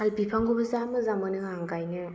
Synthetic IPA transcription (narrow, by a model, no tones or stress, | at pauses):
albipʰaŋɡɔbazamɯzamɯnɯaŋɡajnɯ